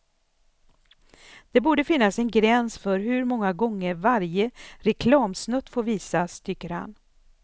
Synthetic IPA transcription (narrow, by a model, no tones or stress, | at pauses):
d̪̥ɛbuːɖəfɪnːasɛnɡɾɛnsfœɾɦɵɾmɔŋːaɡɔŋːəɾvaɾjəɾɛkʰlɑːmsnœt̪ːfoːɾviːsast̪ʰʏkːəɾha̰n